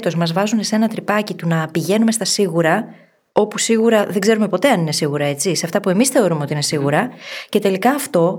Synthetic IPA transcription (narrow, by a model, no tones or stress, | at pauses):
t̪o̞zmɐzvɐzunesee̞nɐt̪ɾipɐcit̪unɐpiʝe̞nume̞st̪ɐsiɣuɾɐ | o̞pusiɣuɾɐðe̞ɡze̞ɾume̞po̞t̪e̞ɐnine̞siɣuɾɐe̞t͡siseɐft̪ɐpue̞misθe̞o̞ɾume̞oiine̞siɣuɾɐce̞t̪e̞likɐːft̪o̞